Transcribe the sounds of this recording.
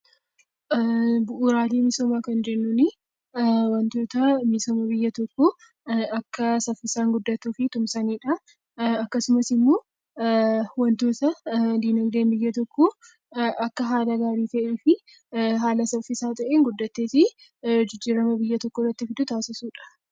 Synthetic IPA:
bʊʔuːɾaːleːmɪsoːmaːkɐnd͡ʒɛʔnːʊnɪ | wɐnt̪o̞ːt̪ɐmɪsoːmɐbɪjːɐt̪ɔkːɔ | ɐkːɐsɐfːɪsaːŋɡʊd̪ːɐt̪ːuːfɪt̪ʊmsɐniːᶑɐ | ɐkːɐsʊmɐsɪmːoː | wɐnt̪o̞ːt̪ɐd̪iːnɐɡd̪eːnbɪjːɐt̪ɔkːɔ | ʔɐkːɐɦaːlɐɡaːɾiːt̪ɐʔeːfɪ | ɦaːlɐsɐfɪsaːt̪ɐʔeːŋɡʊd̪ːɐt̪ːeːsɪ | d͡ʒɪd͡ʒːiːɾɐmɐbɪjːɐt̪ɔkːɔrːɐt̪ːɪfɪd̪ʊt̪aːsɪsuːᶑɐ̥

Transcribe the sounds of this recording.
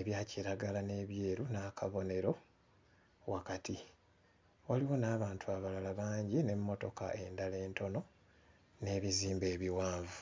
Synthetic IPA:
eβjaːciɾaɡalane̞ːβje̞ːɾunaːkʰaβo̞ne̞ɾo̞ | wakati | waliwo̞naːβaːntʰuaβalalaβaːɲɟine̞mːo̞to̞ka̰ʔe̞ndale̞ːnto̞no̞ | ne̞ːβiziːmbe̞ːβiwaːɱvu

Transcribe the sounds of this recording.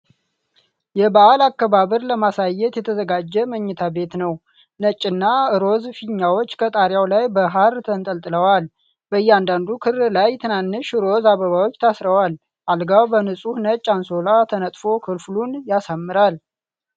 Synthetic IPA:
jɛbaʔalakːəβaβəɾləmasajːɛt̪jɛt̪ʰəzəɡad͡ʒːɛməɲːɛt̪ʰabe̞t̪nəw | nət͡ʃʼːɨnːaɨɾo̞zfiɲːawot͡ʃːkʰət̪ʼaɾjawlajbəɦaɾt̪ʰənt̪ʼəlt̪ʼɨləwal | bəjːɛand̪and̪ukʰɨɾlajt̪ʰɨnanːɨʃɨɾo̞zaβəβawo̞t͡ʃːt̪ʰasɾəwal | ʔalɡawbənɨsʼuhnət͡ʃʼːanso̞lat̪ʰənət̪ʼfo̞kʰɨlflunjasamːɨɾal

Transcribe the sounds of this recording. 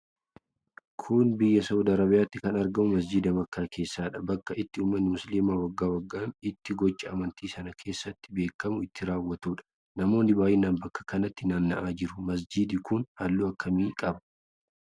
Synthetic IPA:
kʰʊnbɪjːɐsɐwd̪ɐɾɐbɪjaːt̪ːɪkɐnɐɾɡɐmʊmɐsd͡ʒiːd̪ɐmɐkːaːkʰe̞ːsːaːᶑɐbɐkːɐɪt̪ːɪuːmːɐnːɪmʊsliːmaːwɐɡːaːwɐɡːaːnɪt̪ːɪɡɔt͡ʃʼːɐʔɐmɐnt̪iːsɐnɐkʰe̞ːsːɐt̪ːɪ̥be̞ːkːɐmʊɪt̪ːɪɾaːwːɐt̪uːᶑɐ̥ | nɐmo̞ːnːɪbaːjɪnaːnbɐkːɐ̥kɐnɐt̪ːɪnaːnːɐʔaːd͡ʒɪɾʊ̥mɐs̬d͡ʒiːd̪ɪkʊnhɐlːuːɐkʰːɐmiːkʼɐb

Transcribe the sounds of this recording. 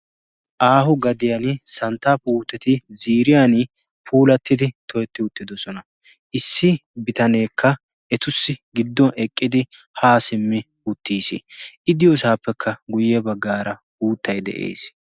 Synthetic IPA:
ʔaːhʊɡɐd̪ɪjɐnsɐnt̪ːapuːt̪ːɛt̪ɪziːɾɪjan | pʰuːlɐt̪ːɪd̪ɪt̪ʰɔjɛt̪ːɪʊt̪ːɪd̪ɔsɔnɐ | ʔɪsːɪbɪt̪ɐne̞ːkʰːɐ | ɛt̪ʊsːɪɡɪd̪ːɔnɛkʼːɪd̪ɪ | haːsɪmːɪ | ʊt̪ːiːsɪ̰ʔɪd̪ɪjɔsaːpːɛkʰːɐɡʊjɛbɐɡːaːɾɐ | uːt̪ːɐjd̪ɛ̰ʔḛːs

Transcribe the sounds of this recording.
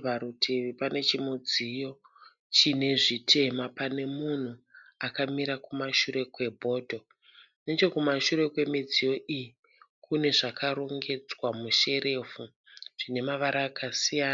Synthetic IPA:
ʋaɾutʰeʋipane̞t͡ʃimud͡zijo̞ | t͡ʃine̞ʐitʰe̞mapane̞mun̤uakamiɾakumaʃuɾe̞kwe̞bʱo̞ːdʱo̞ | ne̞t͡ʃo̞kumaʃuɾe̞kwe̞mid͡zijo̞ʔiji | kune̞ʐakaɾoŋɡe̞d͡zwamuʃe̞ɾe̞fu | ʐ̥ine̞maʋaɾaːkʰasijaːna

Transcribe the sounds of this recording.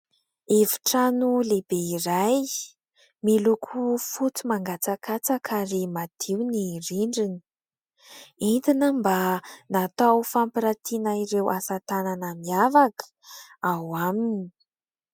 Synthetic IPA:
evi̥ʈ͡ʂanuleb̥eiraj | milukʰufut͡simaŋɡat͡sakat͡sakʰaremad̪̥ʰiwniriɳɖ͡ʐini̥ | ent̪inəmbanat̪awfampiɾat̪ʰinaiɾewʔasat̪ananamiavakə̥awamini

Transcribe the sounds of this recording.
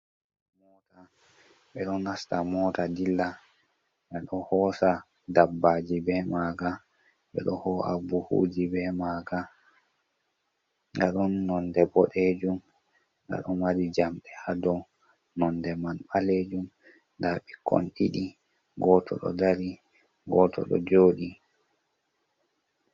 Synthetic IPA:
mɔːta | ɓɛɗɔnastamɔːtadilːa | ɡaɗɔhɔsa | dabːad͡ʒibɛmaɡa | ɓɛ̰ɗɔhɔha̰buhṵd͡ʒibɛmaɡa | ɡaɗɔnːɔndɛbɔɗed͡ʒum | ŋɡa̰ɗɔmaɾid͡ʒamɗɛhadɔ | nɔndɛmanɓaled͡ʒum | ndaɓɛkɔ̰nɗiɗi | ɡɔtʰɔ̰ɗɔ̰daɾi | ɡɔtʰɔ̰ɗɔ̰d͡ʒoːɗi

